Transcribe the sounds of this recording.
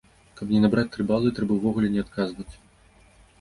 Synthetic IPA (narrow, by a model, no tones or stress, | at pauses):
kɐpnʲɛnabɾat͡sʲt̪ɾɨbalˠɨt̪ɾɛbɐwvɔɣulʲɛnʲɛat̪kazvɐt͡sʲ